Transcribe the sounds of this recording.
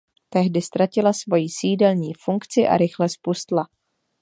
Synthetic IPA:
t̪ɛɦdɪst̪ɾacɪlasvo̞jisiːdɛlɲiːfuŋkt͡sɪʔa̰ɾɪxlɛspust̪la

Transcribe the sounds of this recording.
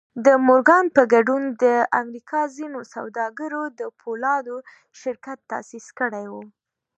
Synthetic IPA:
d̪əmʊɾɡɑnpəɡaɖund̪əamɾikʰɑzinosa̰wd̪ɑɡəɾod̪əpʰolɑd̪o | ʃɪɾkat̪ːɑ̰siskəɽajwu

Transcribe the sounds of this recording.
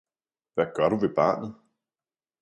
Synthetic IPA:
ʋæɡ̥ɶɐɾ̥uʋe̝b̥ɑ̰̈ːnð̩ˠ

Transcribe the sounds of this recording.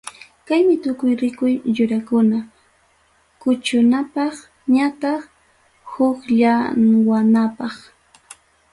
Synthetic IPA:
kajmɪt̪ʊkʊjɾɪkʊjʎʊɾakʊna | kʊt͡ʃʊnapɑχ | ɲat̪ɑχ | hʊkʎawanapɑχ

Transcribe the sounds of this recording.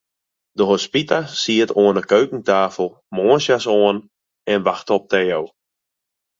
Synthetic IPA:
dəɦospitasiətoənəkøɥkəŋtaːfəl̩ˠ | moənsjasoən | ɛnʋaxtəɔp̚tɛːow

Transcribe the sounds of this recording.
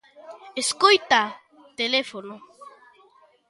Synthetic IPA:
eskojt̪a | t̪elefono

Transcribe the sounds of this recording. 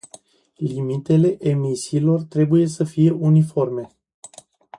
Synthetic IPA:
limit̪e̞le̞ʔemisiːlo̞rt̪ɾe̞buje̞səfije̞ʔunifo̞rme̞

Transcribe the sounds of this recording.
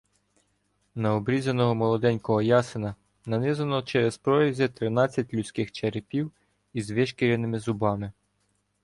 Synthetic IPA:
nɐɔbɾʲizɐnɔɦɔmɔlˠɔd̪ɛnʲkɔɦɔjɑsɪnɐ | nɐnɪzɐnɔt͡ʃɛɾespɾɔjɐzʲɛt̪ɾɪnɑt͡sʲːɐtʲlʲʊt͡sʲkɪxt͡ʃeɾɪpʲiw | izʋɪʃkʲiɾʲɐnɪmɪzʊbɑmɪ

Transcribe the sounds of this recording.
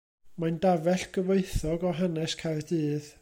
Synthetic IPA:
mandavɛɬɡ̥əveɨθɔɡɔɦanɛskʰardɨːð

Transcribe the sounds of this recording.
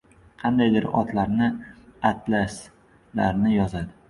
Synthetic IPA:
qʰɑnd̪ajd̪ɪɾɒ̰t̪laɾnɪat̪ʰlas | la̰ɾnɪjɒzad̪ɪ

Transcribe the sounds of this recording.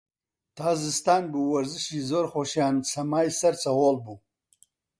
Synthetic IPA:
t̪ʰaːzɨst̪aːnbuwɐɾzɨʃiːzoɾχoʃjaːnsʰɐmaːjsɐɾt͡sʰɐwoːlbuː

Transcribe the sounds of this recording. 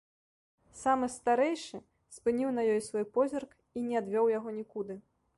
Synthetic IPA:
samɨst̪aɾɛjʂɨ | spɨnʲiwnɐjɔjsvɔjpɔzʲɐrk | inʲɛad̪vʲɔwjaɣɔnʲikud̪ɨ

